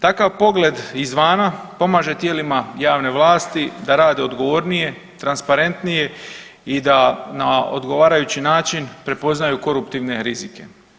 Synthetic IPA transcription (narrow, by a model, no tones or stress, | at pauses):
t̪akaʋpo̞ɡle̞d̪izʋaːnapo̞maːʒe̞t̪je̞ːlimajaːʋne̞ʋlˠaːst̪id̪aɾaːd̪e̞o̞d̪ɡo̞ʋo̞ɾnije̞ | t̪ɾanspaɾe̞nt̪nije̞ | id̪anao̞̰d̪ɡo̞ʋaːɾajut͡ɕinaːt͡ʃinpɾe̞po̞znajuko̞ɾupt̪iʋne̞ɾizike̞̰